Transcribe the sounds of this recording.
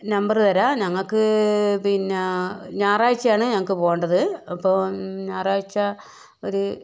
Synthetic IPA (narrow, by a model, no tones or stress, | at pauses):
nɐmbɐrt̪ɐɾɐɲɐŋːɐɭkɨpinːeɲaːraːjit͡ɕːɐjaːɳɨɲɐŋːɐɭkːɨpoːjɐɳɖɐðɨɐpːo̞ːɲaːraːjit͡ɕːɐ | o̞ɾu